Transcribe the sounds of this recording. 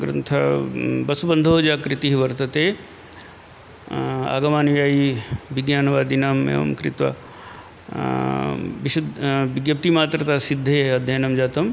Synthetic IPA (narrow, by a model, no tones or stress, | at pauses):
ɡɾɐ̰nt̪ʰɐbɐsubɐnd̪ʱoɦod͡ʒaːkɾit̪iɦiʋɐɾt̪ɐt̪eː | a̰ːɡɐmaːnʋjaːjiʋiɡjaːnɐʋaːd̪inaːmḛːʋɐ̰mkɾit̪ʋɐ̰ | ʋiʃud̪ʋiɡjɐp̚t̪imaːt̪ɾɐt̪aːsid̪ʱːeːɐd̪ʱjɐnɐmd͡ʒaːt̪ɐm